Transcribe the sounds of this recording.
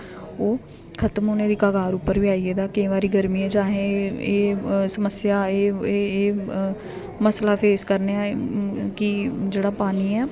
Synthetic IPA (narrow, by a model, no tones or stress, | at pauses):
oː | kʰət̪əmɦoːnẽːd̪iːkaːɡaːɾʊpːəɾʋiːaːiːɛːd̪aːkĩːʋaːɾiːɡəɾmiːɛ̃ːd͡ʒaːɦẽeːsəməsɪjaːeːeː | məslaːpʰeːskəɾneːaːkɪd͡ʒeːɽaːpaːniːɛː